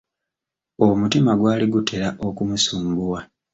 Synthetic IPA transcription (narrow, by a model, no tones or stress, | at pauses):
omutimaɡwaːliɡutʰe̞ɾaʔo̞kumusuːmɡuwa